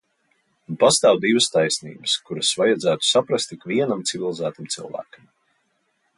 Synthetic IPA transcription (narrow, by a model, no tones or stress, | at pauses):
past̪aːwd̪ivəst̪ajsnḭːbəskuɾɐsvajad̪zæːt̪u̥sapɾast̪ikviɛnamt̪sivʲilˠizæːt̪amt̪silˠvæ̰ːkɐm